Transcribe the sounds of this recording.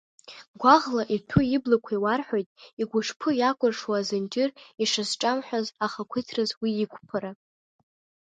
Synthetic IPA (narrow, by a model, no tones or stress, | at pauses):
ɡʷaʁlaʔitʰuiblakʷʰaiwarħʷᶣojtʼiɡʷʊʂpʰɨjakʷʼʊrʂwaazɨnd͡ʒɪriʂɨzʈ͡ʂʼamħʷᶣazaχakʷʰɨtʰrɨzwiːkʷʰʼpʰaɾa